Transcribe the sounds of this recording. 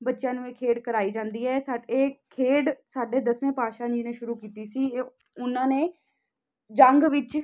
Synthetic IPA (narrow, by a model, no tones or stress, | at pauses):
bətːʃjãːnũːeːkʰeːɖkəɾaːiːd͡ʒãːnd̪iːɛːsaːɖeːkʰeːɖsaːɖeːd̪əsʋẽːpaːʃãːd͡ʒiːnẽːʃʊɾuːkiːt̪iːsiː | ʊnãːneː | d͡ʒəŋɡʋɪt͡ʃ